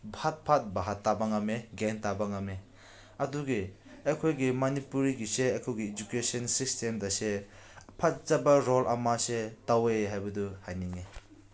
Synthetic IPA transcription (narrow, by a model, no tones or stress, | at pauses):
bʱat̚pʰat̚baɦatːabaŋameɡentabɐŋame | ɐduɡi | ejkʰojɡimɐnipuɾiɡiseajkʰojɡiːd͡ʒukesɐnsistʰemdɐsepʰat̚zabaɾolʔɐ̰masetaweɦajbɐduhajniŋe